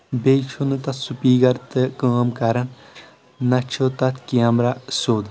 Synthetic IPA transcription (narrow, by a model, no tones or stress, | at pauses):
bet͡ʃʰunɨt̪ɐt̪supiːɡɐɾt̪ɨkaːmkɐɾɐn | nɐt͡ʃʰot̪ɐt̪kamɾasoːd̪